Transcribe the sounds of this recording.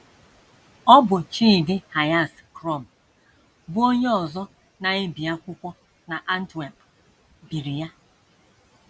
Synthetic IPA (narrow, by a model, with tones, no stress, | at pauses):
ɔ˦bʊ˨t͡ʃiː˦˨dɪ˦ha˨ja˦˨skɾɔ˦˨m˨ | bʊ˦o˦ɲe˦ɔ˨zɔ˦ | na˨e˦bi˨a˦kʷʊ˦kʷɔ˦ | na˨ʔa˦n̩˦twa˨p | bi˨ɾi˨ja˦